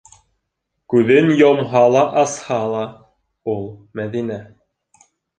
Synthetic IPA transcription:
kʉðɘnjɒmɦɑlˠɑʔɑshɑlˠɑ | ulˠmæðinæ

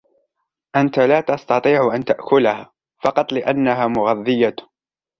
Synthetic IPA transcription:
ʔant̪alaːt̪ɑst̪ɑt̪ˤiːʕʊʔant̪aʔkʊlahaː | fɑqɑt̪ˤlɪʔanːaɦaːmʊɣɑðˤːɨja

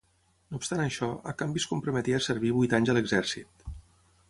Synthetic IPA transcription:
noupst̪anəʃɔə̰kambiskumpɾumət̪iəsəɾβiβujt̪aɲzələɡzɛɾsit̪̚

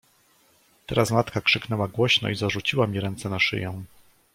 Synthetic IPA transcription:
t̪ɛ̰ɾasmat̪kakʂɘknɛwaɡwɔɕnɔ̰izaʐut͡ɕiwamʲiɾɛnt̪sɛnaʂɘ̰jɛ̃

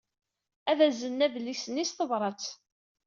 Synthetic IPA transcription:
æðæzənːæðəlːiçsənːisθəvɾˤɑt͡s

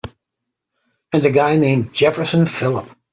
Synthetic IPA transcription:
ɨ̃nðɨɡaɪnẽɪ̃md͡ʒɛfə˞sɨ̃nfɪlˠə̰p̚

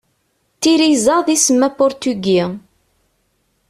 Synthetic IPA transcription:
t̪ːiɾizəðisəmːæpʊɾt̪yɡi

